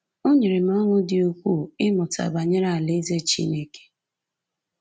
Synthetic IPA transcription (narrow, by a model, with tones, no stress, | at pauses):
o˦ɲe˨ɾe˨m̩˦ɔ˦ŋʷʊ˦dɪ˨o˨kʷu˦˨ɪ˦mʊ˨ta̰˨ba˨ɲe˦ɾa˦˨a˨le˦ze˦t͡ʃḭ˦ne˦ke̥˦